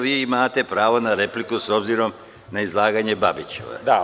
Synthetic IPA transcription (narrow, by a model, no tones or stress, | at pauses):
ʋiːimaːt̪e̞pɾaːʋonaɾe̞plikuso̞bziːɾo̞m | naizlˠaːɡaɲe̞babit͡ɕḛʋa̰d̪a